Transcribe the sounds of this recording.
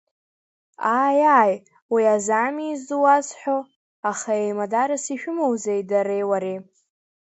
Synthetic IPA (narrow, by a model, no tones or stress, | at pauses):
ajaːj | wiazamizuwazħʷᶣo | aχaejmadaɾasiʃᶣʊmowzejdaɾejwaɾe